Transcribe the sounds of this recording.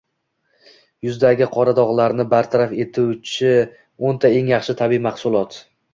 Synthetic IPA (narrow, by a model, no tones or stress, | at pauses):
jʊzd̪aɡʲɪqʰɒɾad̪ɒʁlˠaɾnɪbaɾt̪ʰaɾafe̞t̪ʰuwt͡ʃʰɪ | ont̪ʰae̞ŋjɑχʃɪt̪ʰabimaχsʊlˠɒt̪